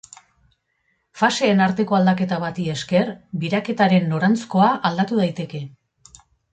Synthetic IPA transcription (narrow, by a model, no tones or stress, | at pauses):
fase̞ːnaɾt̪e̞ko̞ald̪ake̞t̪aβ̞at̪ie̞ske̞rbiɾake̞t̪aɾe̞nːo̞ɾant͡sko̞aʔald̪at̪uð̞ajt̪e̞ke̞